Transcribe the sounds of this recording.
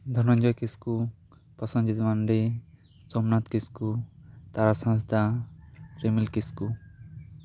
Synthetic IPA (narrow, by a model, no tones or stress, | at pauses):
d̪ʱɔnɔɲd͡ʒɔjkisku | pɔsɔnd͡ʒit̪maɳɖi | sɔmnat̪kiskut̪aɾasãs̬d̪a | ɾemilkisku